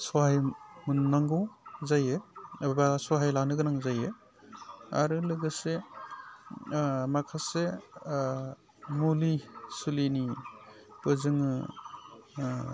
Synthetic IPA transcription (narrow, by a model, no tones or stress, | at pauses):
sɔɦajmunːaŋɡuzajebasɔɦajlanɯɡɯnaŋzaje | a̰ɾɯlɯɡɯse | makʰase | mulisulini | pɯzɯŋɯ